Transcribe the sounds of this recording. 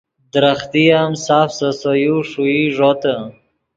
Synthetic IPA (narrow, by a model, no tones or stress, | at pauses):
d̪ɾaxt̪ijamsafsəsojuʂuiʐot̪ə